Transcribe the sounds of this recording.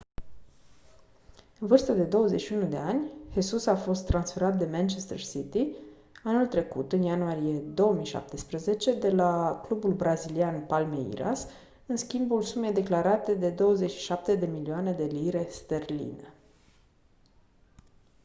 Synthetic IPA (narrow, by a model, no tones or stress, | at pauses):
ɨnvɨrst̪əd̪e̞d̪o̞wəzeʃiunud̪e̞anʲhesusafo̞st̪ːɾansfe̞ɾat̪̚d̪e̞mant͡ʃest̪ersit̪i | anult̪ɾe̞kut̪ɨnjanuaɾije̞d̪o̞wəmijʃa̰p̚t̪espɾəze̞t͡ʃe̞d̪e̞laklubulbɾazilianpalmeḭɾa̰s | ɨnskʲimbulsume̞jd̪e̞klaɾat̪e̞d̪e̞d̪o̞wəzeʃi̥ʃap̚t̪e̞d̪e̞milioane̞d̪e̞liɾe̞st̪erlḭnḛ